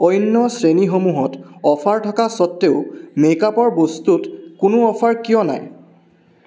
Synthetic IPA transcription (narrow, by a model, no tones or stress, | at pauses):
ɔjnːɔsɹenixomuɦɔtɔfʰaɹtʰɔkasɔtːeʊmekapɔɹbostutkʊnʊɔpʰaɹkijɔna̰j